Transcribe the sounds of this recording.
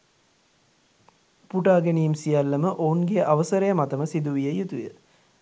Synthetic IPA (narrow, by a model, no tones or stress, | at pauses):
puʈaːɡenijimsijalːəməʔounɡeʔaʋəsəɾəjəmat̪əməsid̪uʋijəjut̪ujə̰